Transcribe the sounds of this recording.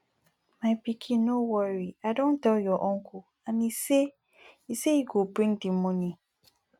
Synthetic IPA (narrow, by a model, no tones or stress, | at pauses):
maɪpikʰĩːowɔɹiaɪdõntɛljɔʔɔ̃ŋkʰu | ãnise | isejiɡobɹĩŋdĩmːõnĩ